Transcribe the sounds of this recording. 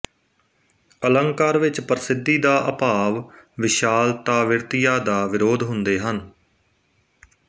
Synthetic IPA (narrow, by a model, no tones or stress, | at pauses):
ələŋkaːɾʋɪt͡ʃpəɾɪsɪd̪ːiːd̪aːʔəpaːʋʋɪʃaːlt̪aːʋɪɾt̪ɪjaːd̪aːʋɪɾoːd̪ɦʊnd̪eːɦən